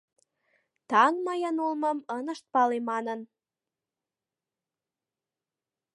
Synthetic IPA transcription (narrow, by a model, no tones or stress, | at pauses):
t̪ɑŋməjənulməmənə̆ʃt̪̚pɑlemɑnən